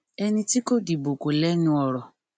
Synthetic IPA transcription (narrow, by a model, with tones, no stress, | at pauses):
e˦ni˦ti˦ko˦di˨bo˨ko˨le˦nu˦ɔ˨ɾɔ˨